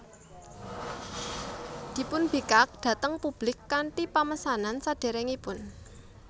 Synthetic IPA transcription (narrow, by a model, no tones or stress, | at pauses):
d̪̥i̤pʊnb̥i̤kak̚ɖ̥a̤t̪əŋpub̥lɪkːaɳʈipaməsanansaɖ̥e̤ɾɛŋipʊn